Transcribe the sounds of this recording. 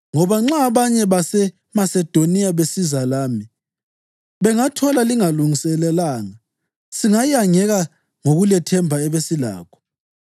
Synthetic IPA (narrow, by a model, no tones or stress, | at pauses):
ŋɔβaŋ͡ǁaβaɲɛβasɛ | masɛd̥ʱonijaβesizalaːmi | βɛŋatʰɔlaliŋaluŋisɛlɛlaːŋa | siŋajaŋɛɣa | ŋoɣulɛtʰɛmbʱaɛβesila̰ːkʰɔ̥